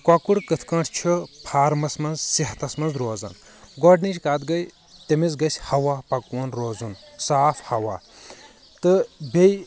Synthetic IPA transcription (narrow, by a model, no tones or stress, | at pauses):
kɐkuɽkɨt̪ʰkɐ̃ɳʈʰt͡ʃʰipʰaːɾmɐsmɐnzsiɦt̪ɐsmɐnzɾoːzɐ̰n | ɡɔɖnit͡ʃʰʲkaːd̪ɡɐj | t̪emizɡɐsʲhɐwaːpɐkwɐnɾoːzunsaːfhɐwaː | t̪ɨbʲej